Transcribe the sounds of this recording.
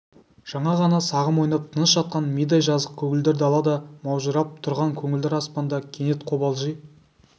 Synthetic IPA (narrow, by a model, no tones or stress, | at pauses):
ʒ̥ɑɴɑʁɑnɑsɑʁəmwojnɑp̚t̪ʰənəsʒɑt̪̚qɑnmid̪ɑjʒɑzəq̚kʲʰɵŋʲɪld̪eɾd̪ɪɑlˠɑd̪əmɑwʒəɾɑp̚t̪ʰʊɾʁɑŋkʲʰɵŋɪld̪eɾɑspɑnd̪ɑkʲʰe̞ne̞t̪̚qʰo̞bɑlˠʒij